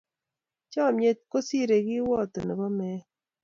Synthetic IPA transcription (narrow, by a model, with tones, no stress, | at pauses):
t͡ʃɔ˦˨mje˦t̪̚ko˦si˦˨ɾe˨ɡi˦wɔ˦˨t̪o˨nə˨kɔ˦mɛ˨˦